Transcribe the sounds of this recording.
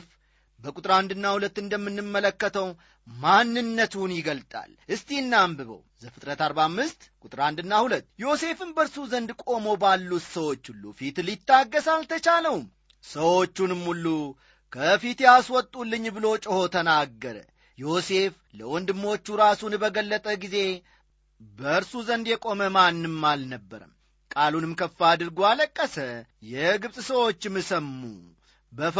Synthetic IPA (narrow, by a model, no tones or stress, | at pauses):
f | bəkʼut̪ʼɾand̪ɨnːahulət̪ːɨnd̪əmːɨnːɨmːələkːət̪ʰəw | manːɨnːət̪unjɪɡəlt̪ʼa̰lʔɨst̪inːambɨβə̰wzəfɨt̪ʼɾət̪aɾbamːɨst̪kʼut̪ʼɾand̪ɨnːahulət̪ːjo̞se̞fɨnbəɾsuzənd̪kʼo̞mo̞balːut̪səwo̞t͡ʃːhulːṵfit̪lit̪ːaɡːəsalt̪ʰət͡ʃaləwm | səwo̞t͡ʃːunɨmːulːu | kʰəfit̪jaswɔt̪ʼːulːɨɲːbɨlo̞t͡ʃʼɪho̞t̪ʰənaɡːəɾə̰ | jo̞se̞f | ləwɔnd̪ɨmːo̞t͡ʃːuɾasunbəɡəlːət̪ʼəɡize̞ | bəɾsuzənd̪jɛkʼo̞məmanːɨmːalnəbːəɾə̰m | kʼalunɨmkʰəfːad̪ɨɾɡualəkʼːəsəjɛɡɨβsʼsəwo̞t͡ʃːɨmːɨsəmːṵ | bə